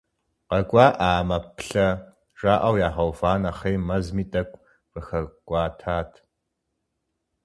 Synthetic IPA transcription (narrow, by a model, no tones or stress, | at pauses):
qɐkʷʼɑːʔaːmɐpʰɬɐ | ʐaːʔɐwjaːʁɐwfaːnɐχejmɐzmiːtʼɐkʷʼ | v̥ɨxɐɡʷʼaːtʰaːtʰ